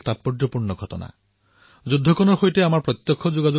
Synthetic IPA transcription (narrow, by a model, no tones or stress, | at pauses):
tat̚pɔdɹɔpuɹnɔɡʱɔtɔ̰na̰ | zudʱːɔkɔnɔɹxojtɛamaɹpɹɔt̪jɔkʰːɔzoɡazo